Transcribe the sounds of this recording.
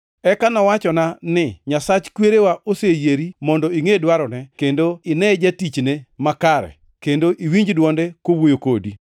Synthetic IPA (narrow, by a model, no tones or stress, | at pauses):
ɛkanɔwat͡ʃɔnanɪɲasat͡ʃkweɾewaʔosejeɾimɔndɔiŋedwaɾɔnɛkendoɪnɛd͡ʒatit͡ʃnemakaɾɛ̰ | kendoʔiwiɲd͡ʒdwɔndɛkowojokodi